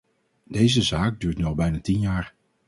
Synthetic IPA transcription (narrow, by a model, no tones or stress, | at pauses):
dejzəzaːk̚dyːɹtnyɑlˠbɛjnatinjaːɹ